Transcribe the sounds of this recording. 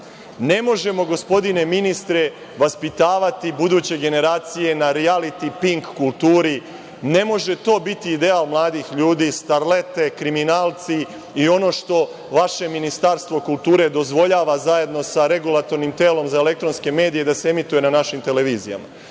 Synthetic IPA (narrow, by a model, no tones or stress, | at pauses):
ne̞mo̞ʒe̞mo̞ɡo̞spo̞d̪ine̞minist̪ɾe̞ | ʋaspit̪aːʋat̪ibud̪uːt͡ɕe̞ɡe̞ne̞ɾaːt̪sije̞naɾialit̪ipiŋkːulˠt̪uːɾi | ne̞mo̞ʒe̞t̪o̞ːbit̪iːd̪e̞aːlˠmlˠaːd̪iːxʎuːd̪iːst̪aɾle̞t̪e̞kɾiminaːlˠt̪si | io̞no̞ːʃt̪o̞ | ʋaʃe̞minist̪aɾst̪ʋo̞kulˠt̪uːɾe̞d̪o̞zʋo̞ʎaːʋazaje̞d̪no̞saɾe̞ɡulˠat̪o̞ɾnimt̪e̞ːlo̞mzaele̞kt̪ɾo̞nske̞me̞ːd̪ijed̪aseemit̪uje̞nanaʃimt̪e̞le̞ʋiːzija̰ma̰